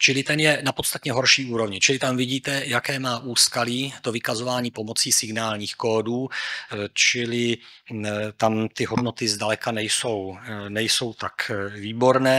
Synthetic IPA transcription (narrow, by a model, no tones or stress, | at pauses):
t͡ʃɪlɪt̪ɛnjɛnapo̞t̪st̪at̪ɲɛɦo̞ɾʃiːuːɾo̞vɲɪt͡ʃɪlɪt̪amvɪɟiːt̪ɛjakɛːmaːʔuːskaliːt̪ovɪkazo̞vaːɲiːpo̞mo̞t͡siːsɪɡnaːlɲiːxko̞ːduː | t͡ʃɪlɪ | t̪amt̪ɪɦodno̞t̪ɪzdalɛkanɛjso̞wnɛjso̞wt̪akviːbo̞ɾnɛː